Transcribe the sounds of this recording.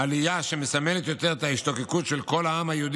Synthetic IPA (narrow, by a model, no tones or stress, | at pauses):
alijaʃe̞me̞samelet̪jo̞t̪eʁet̪aiʃt̪o̞kekut̪ʃelko̞laamhajeud̪